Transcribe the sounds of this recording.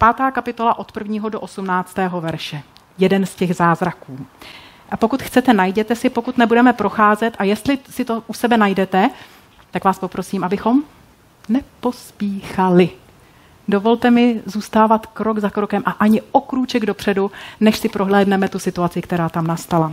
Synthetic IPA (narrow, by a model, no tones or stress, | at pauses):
paːt̪aːkapɪt̪o̞laʔo̞t̪pr̩vɲiːɦodoʔosumnaːt͡st̪ɛːɦo̞vɛɾʃɛ | jɛdɛnscɛɣzaːzɾakuː | po̞kut̪xt͡sɛt̪ɛnajɟɛt̪ɛsɪpo̞kut̪nɛbudɛmɛpɾo̞xaːzɛt̪ʔajɛst̪lɪsɪt̪o̞ʔusɛbɛnajdɛt̪ɛ | t̪akvaːspo̞pɾo̞siːmʔabɪxo̞m | nɛpo̞spiːxalɪ | do̞vo̞lt̪ɛmɪzuːst̪aːvat̪kɾo̞ɡzakɾokɛmʔaʔaɲɪokɾuːt͡ʃɛɡdo̞pr̥ɛdunɛʃsɪpɾʔo̞ɦlɛːdnɛmɛt̪usɪt̪uat͡sɪkt̪ɛɾaːt̪amnast̪ala